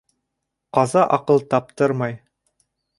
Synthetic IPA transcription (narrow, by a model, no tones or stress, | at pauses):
qɑzɑʔɑqɤlˠt̪ɑp̚t̪ɤɾmɑj